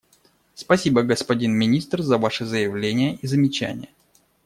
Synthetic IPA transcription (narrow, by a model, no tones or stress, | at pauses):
spɐsʲibəɡəspɐdʲinmʲɪnʲist̪rzɐvaʂɨzəjɪvlʲenʲɪjəizəmʲɪt͡ɕæ̰nʲɪ̰jə